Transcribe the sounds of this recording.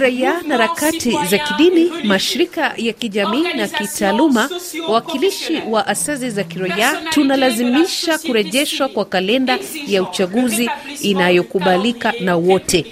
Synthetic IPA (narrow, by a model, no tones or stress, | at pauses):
ɾaianaɾakatizakiɗinimaʃiɾikajakiʄamiːnakitʰaːlumawawakiliʃiwaʔasazizakiɾaiatunalazimiʃakuɾɛʄɛʃwakwakalɛndajaut͡ʃaɠuziinajɔkuɓalikanawɔtʰɛ